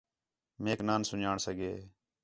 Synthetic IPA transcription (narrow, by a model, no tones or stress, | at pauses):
meːknaːnsʊnaːɳsəɡeː